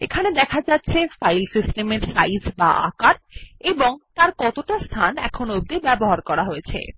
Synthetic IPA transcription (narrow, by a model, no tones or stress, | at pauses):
ḛkʰaned̪ɛkʰad͡ʑatːɕʰefajlsisʈemeɾsajsbaʔa̰kaɾeboŋt̪aɾkɔt̪oʈast̪ʰanɛ̰kʰonoob̚d̪ebɛboɦaɾkɔɾaɦoet͡ɕʰḛ